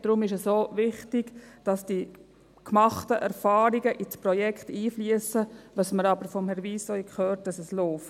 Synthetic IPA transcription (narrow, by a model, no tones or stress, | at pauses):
d̥ɾʊmɪʃɛsoːʋɪχtɪɡd̥ɑsd̥i | kmɑχtəʔɛɾfɑːɾiɡəʔit͡spɾɔjɛkχtiːfliəsəʋɑsməɾɑbəɾfɔmhɛɾʋiːsoikχøːɾt̚d̥ɑsɛsloːft